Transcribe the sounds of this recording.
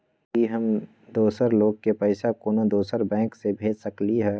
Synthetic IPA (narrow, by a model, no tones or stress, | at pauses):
iɦəm | d̪oːsəɾloːɡ̚kepɛɪsakoːnad̪oːsəɾbɛ̃ːŋksebʱeːd͡ʒsəkliɦɛː